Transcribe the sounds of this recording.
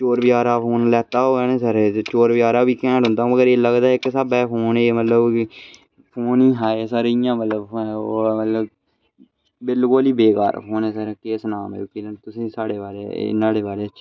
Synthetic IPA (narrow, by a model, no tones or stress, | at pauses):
t͡ʃoːɾbɪjaːɾaːpʰoːnlɛːt̪aːoːɛːnẽːsəɾt͡ʃoːɾbɪjaːɾaːbiːkɛ̃ːʈɦʊnd̪aːũːəɡəɾeːləɡd̪aːɪksabɛːpʰoːneːmət̪ləb | pʰoːnĩːɦaːeːsaːɾeijãːmət̪ləboːmət̪ləb | bɪlkoːliːbeːka̰ːɾ̰pʰoːnẽːsəɾɛːkeːsnaːmɛ̰ːkiːlnt̪ʊsĩːsaːɽeːbaːɾḛɪ̰naːɽeːbaːɾeːəʃʰ